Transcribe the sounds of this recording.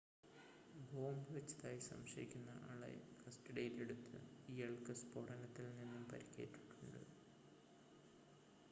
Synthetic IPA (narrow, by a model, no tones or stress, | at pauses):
bʱoːmɨʋet͡ɕːɐðaːjisɐ̰mɕɐjikʲːunːɐʔɐ̰ːɭḛkʰɐstɐɖɐjile̞ɽut̪ːɨ̰iːɐɭkɐspoɽɐnɐt̪ːilninːumpɐ̰ɾikʲːḛːʈːi̥ʈːuɳɖɨ̰